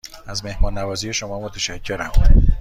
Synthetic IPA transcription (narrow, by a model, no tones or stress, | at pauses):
æzme̞hmɒːnːævɒːzije̞ʃo̞mɒːmot̪ʰæʃæcʰːe̞ɾæ̰m